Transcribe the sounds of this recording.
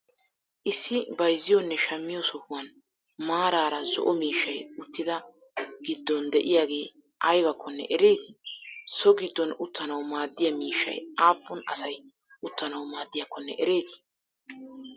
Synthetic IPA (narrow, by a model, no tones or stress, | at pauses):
ʔɪsːɪbɐjzːɪjɔnːɛʃɐmːɪjɔsɔhʊwɐn | maːɾaːɾɐzɔ̰ʔɔmiːʃːɐjʊt̪ːɪd̪ɐ | ɡ̥ɪd̪ːɔnd̪ɛʔɪjaːɡe̞ː | ʔɐjbɐkʰːɔnːɛ̰ʔɛɾe̞ːt̪ɪ̥sɔɡɪd̪ːɔnʊt̪ːɐnɐwmaːd̪ːɪjɐmiːʃːɐ̰jaːpːʊnɐ̰sɐj | ʊt̪ːɐnɐwmaːd̪ːɪjɐkːɔnːɛ̰ʔɛɾe̞ːt̪ɪ̥